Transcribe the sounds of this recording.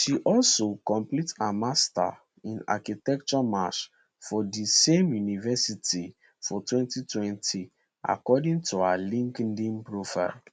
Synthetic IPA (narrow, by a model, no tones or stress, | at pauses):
ʃiʔɔlsokɔ̃mplitamasta̰ | ĩna̰kitɛk̚t͡ʃɔmaʃ | fɔdisẽmjunivɛsiti | fɔtwɛ̃ntitʰwɛ̃ntʰi | ʔa̰kɔdĩŋtʰualĩŋkɛndĩnpɹofa̰ɪl